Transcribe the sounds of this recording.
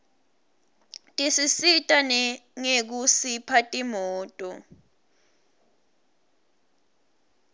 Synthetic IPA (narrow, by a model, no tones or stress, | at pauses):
tʼisisitʼanɛŋek̬usipʰatʼimɔːtʼɔ